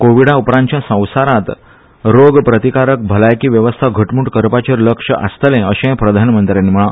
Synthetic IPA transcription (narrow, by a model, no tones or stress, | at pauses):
koʋiɽaupɾãɳt͡ɕjasə̃w̃saɾat̪ | ɾoɡpɾət̪ikaɾək̚bʱəlajkiːʋjəʋəst̪ʰaɡʱəʈmuːɳʈkəɾpat͡ɕeɾləkʂəʔast̪əlẽəɕẽpɾəd̪ʱanəmənt̪ɾjanːiːm̤əɭã